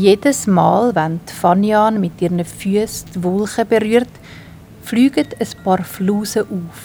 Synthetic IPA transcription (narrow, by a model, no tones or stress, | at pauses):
jeːdəsmɑːlvæntfɑnjɑːnmɪtirnəfyəstvɔlˠχəbəɾyərt | flyːɡətʰəspɑːrfluːsəʔuːf